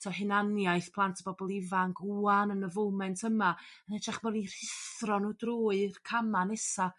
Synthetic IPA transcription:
tʰɔhɪnanjajθpʰlˠantʰəbɔbɔlˠɪvanɡuanənəvowmɛntʰəmaənɛd͡ʒaχmɔnir̥ɪθrɔnodroːɨrkʰamanɛsa

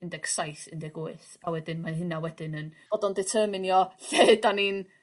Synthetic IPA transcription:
ɪndɛksajθɪndɛɡoɨθ | awɛdɪnmaɦɪnawɛdɪnən | ɔdɔndɪtʰəːmɪnjɔɬeːdanin

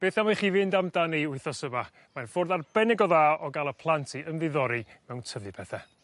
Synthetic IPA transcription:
b̥eːθamaχiːvɪndamdaniʊɨθɔsəma | manfʊrðarb̥ɛnɛɡɔðaːɔɡalˠəpʰlˠantʰiəmðɪðɔɾimɛwntʰəvlɨpʰɛθɛ

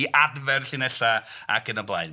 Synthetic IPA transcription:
iʔadvɛrɬɪnɛɬa | a̰kənəblˠa̰jn

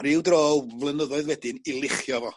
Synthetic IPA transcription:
rɪwdroːwvlˠənəðɔɨðwɛdɪnilˠɪχjɔvɔ

